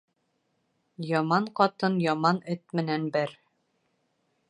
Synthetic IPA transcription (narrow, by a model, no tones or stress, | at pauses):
jɒmɑɴqɒt̪ɤnjɒmɑnɘt̪mɘ̆nænbɘɾ